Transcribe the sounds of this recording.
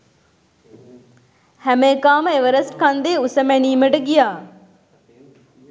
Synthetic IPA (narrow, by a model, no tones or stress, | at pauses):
hæmeːkaːməeʋəɾəsʈkand̪eːusəmeniːməʈəɡijaː